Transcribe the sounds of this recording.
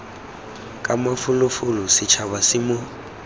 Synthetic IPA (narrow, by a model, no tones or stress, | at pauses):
kʼamafʊlʊfʊlʊsɪt͡ʃʰaβasɪmʊ